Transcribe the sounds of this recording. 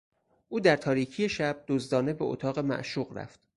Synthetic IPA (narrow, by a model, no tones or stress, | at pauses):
ʔuːd̪æɾt̪ʰɒːɾiːcʰije̞ʃæb̚d̪̥ozd̪ɒːne̞beʔo̰t̪ʰɒːɣe̞mæ̰ʔʃuːɢɾæ̰ft̪̚